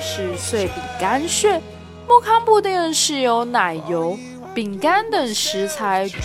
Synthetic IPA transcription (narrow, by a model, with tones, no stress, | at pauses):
ʂɻ̩˥˧swe˥˩ɪpi˨˩ŋka˥nʂɥɛ˥˩ | mu˥˩kʰɑ˥ŋpu˥˧t̪i˥˧ə˥˧nʂɻ̩˥˩jo˧˥ʊna˨˩ɪjo˧˥ʊ | pi˨˩ŋka˥nt̪ə˨˩ŋʂɻ̩˧˥t͡sʰa˧˥ɪʈ͡ʂ